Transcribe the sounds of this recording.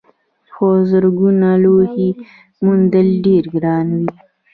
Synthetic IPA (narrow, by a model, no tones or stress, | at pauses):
xozəɾɡunalohi | mund̪əlɖeɾɡɾɑːnwi